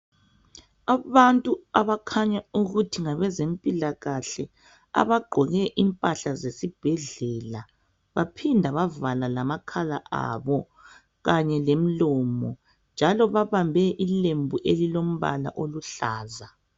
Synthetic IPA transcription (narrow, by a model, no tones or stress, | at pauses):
aβantʼuaβakʰaɲauɣutʰiŋaβɛzem̩pʼilaɣaɬɛ | a̰βaɡ͡ǃʱɔɣɛʔimpʼaɬazesib̥ʱɛɮɛːla | βapʰindʱaβavalalamakʰalaʔa̰βɔ | ɣaɲɛlem̩lɔːmɔ | nd͡ʒʱalɔβaβambʱɛʔilembʱuʔelilom̩βa̰la̰ʔoluɬaːza